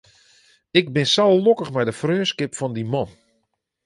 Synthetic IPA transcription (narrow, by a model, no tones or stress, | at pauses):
ɪk̚bɪnsalˠlokəχmɛjdəfrøːnskɪpfɔndimɔn